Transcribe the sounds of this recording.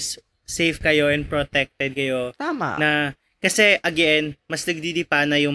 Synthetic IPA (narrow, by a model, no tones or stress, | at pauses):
s | sejfkɐjo̞ʔɛn̚pɾot̪ɛk̚t̪ɛd̪̚kɐjo̞t̪aːma̰nɐ | kɐsɛʔɐɡɛnmɐsnɐɡ̚d̪id̪ɪpanɐjʊŋ